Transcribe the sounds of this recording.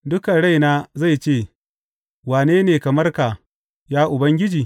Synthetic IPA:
dʊ˦kɐ˨ɽa˦jnaː˦za˦˨jt͡ʃeː˦˨ | waː˨neː˦neː˨kɐ˨mɐ˦rka˨ | jaː˦ʔʊ˨bɐ˦ŋɡʲɪ˦d͡ʒiː˨

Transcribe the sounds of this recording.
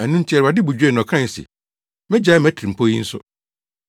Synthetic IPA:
æ˨nũ˦n̩˦tʰi˦ɛ˨ɾa˨dɪ˦bu˨d͡ʑᶣe˦˨n˨ɔ̃˨kʰɾã˦n˨sɛ̰˨ | mɛ̃˦d͡ʑa˦mæ˦tʰi˨ɾi˨m˨pʰo˦jḭ˦n̩˦sʊ̰˦

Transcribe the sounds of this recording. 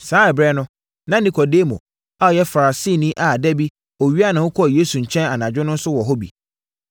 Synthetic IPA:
sãː˨˦ɛ˨bɾɛ˦nʊ̃˦ | nã˦nĩ˨kʰɔ˨deː˦mõ̰˨ | a˦ɔ˨jɛ˦fa˨ɾa˨siː˦˨nĩ˦ʔa˨dɛ˦bi˦ | ɔ˨ɥi˦a˦nã˨hʊ̃˦kʰɔ˦˨jeː˦su˨ɲ̩˨t͡ɕʰɛ̃˦na˨nã˨d͡ʑᶣɪ˦nʊ̃˦n̩˦sʊ˦wɔ˨ɦɔ˦bḭ˨

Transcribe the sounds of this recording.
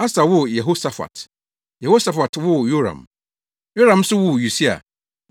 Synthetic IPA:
a˦sa˨wʊ˦˨jɛ˨ɦo˦sa˨fa̰˨t | jɛ˨ho˦sa˨fa˨twʊ˦˨jo˦ɾã̰˨m | jo˦ɾã˨m˦sʊ˦wʊ˦˨ju˨si˦a̰˨

